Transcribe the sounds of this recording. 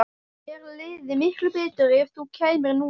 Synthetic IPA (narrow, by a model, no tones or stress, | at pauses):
ɛɾleðɪmɪhklʏpɛːt̪ɪɾɪfθukʰeːjmɪɾnuː